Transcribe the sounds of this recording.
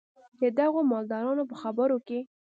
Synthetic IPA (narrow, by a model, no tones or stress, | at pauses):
d̪əd̪aɣomɑld̪ɑɾɑnopəxabəɾoke